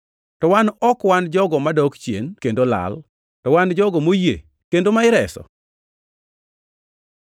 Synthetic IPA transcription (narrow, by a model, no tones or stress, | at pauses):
tɔwanɔkwand͡ʒɔɡɔmadɔkt͡ʃjenkendola̰l | tɔwand͡ʒɔɡɔmoje | kendomaɪɾɛsɔ̰